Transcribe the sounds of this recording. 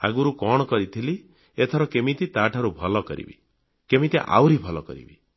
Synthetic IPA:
a̰ɡuɾukɔɽ̃ɔkɔɾit̪ʰili | et̪ʰɔɾɔkemit̪it̪aʈʰaɾubʱɔlɔkɔ̰ɾḭbḭ | kemit̪iʔa̰wɾibʱɔlɔkɔ̰ɾḭbi

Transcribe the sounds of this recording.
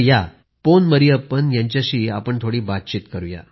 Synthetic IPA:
ja | ponməɾiapənjãɲt͡ɕjaɕiːapəɳt̪ʰoɽiːbat̪̚t͡ɕiːt̪kəɾuːja̰

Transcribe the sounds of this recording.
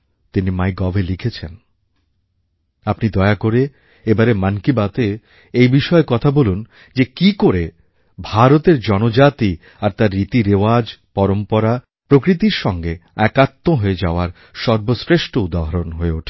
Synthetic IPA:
t̪inimajɡɔbʱelikʰet͡ɕʰen | apnid̪ɔeakoɾe | ebaɾemankibat̪e | ejbiʃɔekɔt̪ʰabolun | d͡ʑekikoɾe | bʱaɾot̪eɾd͡ʑɔnod͡ʑat̪i | aɾt̪aɾːit̪iɾewad͡ʑpɔɾompɔɾa | pɾokɾit̪̬iɾʃɔŋɡeɛkat̪ːoɦoed͡ʑaoaɾ | ʃɔɾbosɾeʃʈoud̪aɦoɾonɦoeuʈʰe̥

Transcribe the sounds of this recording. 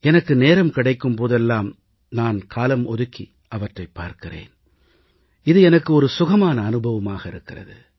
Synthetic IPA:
ɛnɐkːɯneːɾɐmkɪɽɐɪkːɯmpoːðɛlːaːm | naːnkʰaːlɐmɔðɯkːi | ʔɐʋɐʈrɐɪpːaːɾkɪrḛːn | ɪðɯɛnɐkːɯɔɾɯsʊɣɐmaːnɐːnɯbʱɐʋɐmaːɣɐɪɾɯkːɪrɐ̰ðɯ̰

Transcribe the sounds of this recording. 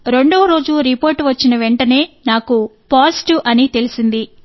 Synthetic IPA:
ɾe̞ɳɖoːɾo̞ːd͡ʒuɾipo̞ːɾʈʋɐt͡ʃːinɐʋe̞ɳʈɐne̞ːnaːkupaːsʈuʔɐnit̪e̞lisind̪i

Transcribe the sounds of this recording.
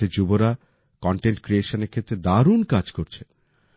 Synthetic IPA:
ed͡ʑuboɾa | kɔɳʈeɳʈkɾieʃoneɾkʰet̪ːɾed̪aɾunkad͡ʑkoɾt͡ɕʰe

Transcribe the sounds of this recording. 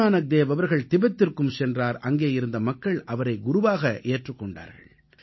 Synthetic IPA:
aːnɐk̚d̪eːʋɐʋɐɾɣɐɭt̪ɪbɐt̪ːɪrkɯmsɛndraːɾɐŋɡeːjɪɾɯnd̪ɐmɐkːɐɭʔɐʋɐɾɐɪɡʊɾʊʋaːɣɐʔeːʈrɯkːɔɳɖa̰ːɾɣɐ̰ɭ

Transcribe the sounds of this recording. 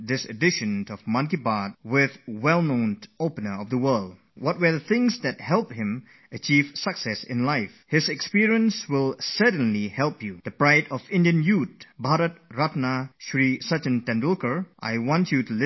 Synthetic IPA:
d̪ɪsə̰dɪʃə̃ntɔvmʌ̃ŋkibat̚wɪðwɛlˠnõʊ̃nopənəɔvðəwɜlˠd | wɔt̚wə˞ðəθɪ̃ŋsdɛt̚hɛlˠp̚hɪ̃m | ʔət͡ʃivsəksɛsɪ̰̃nlaɪfhɪzɛkspiɹiə̃nswɪlˠsədə̃nlihɛlˠpjud̪əpɹaɪdɔvɪ̃ndiə̃njut̚baɾət̚ɹatnaʃɹisat͡ʃə̃ntɛ̃ndulkə˞ʔa̰jwɔ̃ntjutulɪ

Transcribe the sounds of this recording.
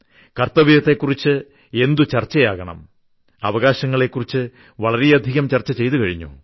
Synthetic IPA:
kɐrt̪ɐʋiɐt̪ːe̞kːurit͡ɕːɨ | e̞nd̪ut͡ɕɐrt͡ɕːɐjaːɣɐɳɐ̰m | ɐʋɐɣaːɕɐŋːɐɭe̞kːurit͡ɕːɨ | ʋɐɭɐɾijɐd̪ʱiɣɐmt͡ɕɐrt͡ɕːɐt͡ɕe̞jt̪ukɐɻiɲːṵ

